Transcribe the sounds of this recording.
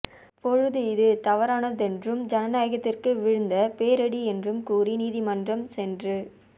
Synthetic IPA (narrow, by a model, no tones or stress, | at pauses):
pɔɻɯðɯɪðɯt̪ɐʋɐɾaːnɐðɛndrɯmd͡ʒɐnɐnaːjɐɣɐt̪ːɪrkɯʋɪɻɯnd̪ɐpeːɾɐɽiɛndrɯmkuːriniːðimɐndrɐmsɛndrɯ